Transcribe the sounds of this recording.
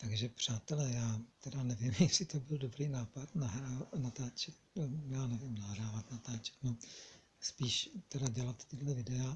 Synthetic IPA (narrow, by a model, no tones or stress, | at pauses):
t̪aɡʒɛpr̝̥aːt̪ɛlɛːjaːt̪ɛdanɛvɪmjɛsɪt̪obɪldobɾiːnaːpat̪naɦɾanat̪aːt͡ʃɛt̪̚jaːnɛvɪmnaɦraːvat̪nat̪aːt͡ʃɛ̥t̪no | spiːʃt̪ɛdaɟɛlat̪t̪ɪdlɛvɪdɛa